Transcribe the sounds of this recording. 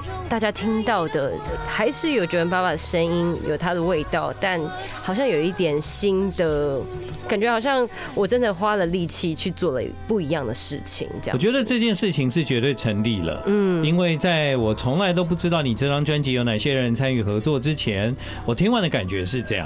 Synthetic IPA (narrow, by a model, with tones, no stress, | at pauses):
t̪a˥˩t͡ɕja˥t̪ʰi˥ŋt̪ɑ˥˩ʊd̪ə˩xa˧˥ɪʂɻ̩˥˩jo˨˩ʊt͡ɕi˧˥˩ɻə˧˥npa˥˩pa˨˩d̪ə˩ʂə˥ni˥njo˨ʊt̪ʰa˥d̪ə˨we˥˧ɪt̪ɑ˥˩˨ʊt̪a˥˩n | xɑ˨˩ʊɕjɑ˥˩ŋjo˨˩ʊi˥˩t̪jɛ˨˩nɕi˥nd̪ə˨ | ka˨˩nt͡ɕɥɛ˦˥xɑ˨˩ʊɕ̬jɑ˥˩ŋ | wɔ˨˩ʈ͡ʂə˥nd̪ə˨˩xwa˥lə˨li˥˩t͡ɕʰi˥t͡ɕʰy˥˧t͡swɔ˥˩lə̰˨pu˥˩i˧˥jɑ˥˩ŋd̪ə˩ʂɻ̩˥˩t͡ɕʰḭ˨˩ŋə˥j̰t͡ɕɥɛ˧˥d̪ə˧ʈ͡ʂɤ˥˧t͡ɕjɛ˥˧nʂɻ̩˥˩t͡ɕʰi˧˦ŋʂɻ̩˥˩t͡ɕɥɛ˧˥t̪we˥˩ɪʈ͡ʂʰə˧˥nli˨˩lə̰˩nn̩˥˩i˥nwe˥˧ɪt͡sa˥˩ɪwɔ˨˩t͡sʰo˧˥ŋla˧˥ɪo˥ʊp̬u˥˩ʈ͡ʂɻ̩˥t̪ɑ˥˩ʊni˨˩ʈ͡ʂɤ˥˧˩ʈ͡ʂɑ˥ŋt͡ɕɥa˥nt͡ɕi˧˥jo˧ʊna˨˩ɪɕjɛ˦˥ɻə˧˦nt͡sʰa˥ny˥˨˩xɤ˧˥t͡swɔ˥˨ʈ͡ʂɻ̩˥t͡ɕʰjɛ˧˥n | wɔ˨˩t̪ʰi˥ŋwa˧˥nd̪ə˨ka̰˨˩nt͡ɕɥɛ˧˥ʂɻ̩˥˧ʈ͡ʂɤ˥˧jɑ̰˨